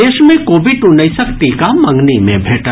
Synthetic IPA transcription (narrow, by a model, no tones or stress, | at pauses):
eːʃmẽkoːbiʈunəisɐkt̪ikamɐ̃ŋɡnimḛ̃bʱeːʈa